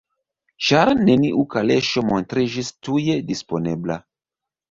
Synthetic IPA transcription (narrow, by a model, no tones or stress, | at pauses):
t͡ʃaɾneniʔukaleʃomontɾid͡ʒistujedispo̞nebla